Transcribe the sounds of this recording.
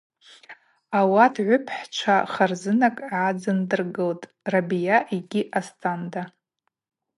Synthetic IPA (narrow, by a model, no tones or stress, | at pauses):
awadʰʕʷʊpʰħt͡ʃʷʰaχarzɨnakʼʕad͡zɨndɨrɡɨltʼ | rabijaʔiɡʲiʔastʼʰanda